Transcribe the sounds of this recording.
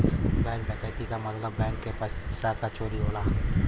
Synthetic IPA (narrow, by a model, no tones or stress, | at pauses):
bɛ̃ːŋkbɛ̃kajt̪ikamɐt̪ləbːɛ̃ːŋkːepassakat͡ʃʰoːɾiɦoːlaː